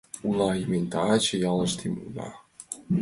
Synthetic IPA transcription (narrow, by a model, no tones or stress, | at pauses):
ulˠɑimenʲt̪ɑt͡ɕejɑlˠɤ̆ʃt̪ʰimṵlɑ̰